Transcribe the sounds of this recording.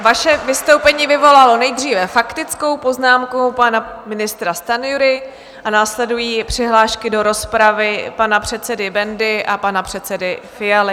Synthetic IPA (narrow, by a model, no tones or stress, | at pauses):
vaʃɛvɪst̪o̞wpɛɲiːvɪvo̞lalo̞nɛjd̪r̝iːvɛfakt̪ɪt͡sko̞wpo̞znaːmkopanamɪnɪst̪ɾast̪anjuɾɪ | ʔanaːslɛdujiːpr̝̥ɪɦlaːʃkɪdo̞ɾo̞spɾavɪpanapr̝̥ɛt̪t͡sɛdɪbɛndɪʔapanapr̝̥ɛt̪sɛdɪfɪjalɪ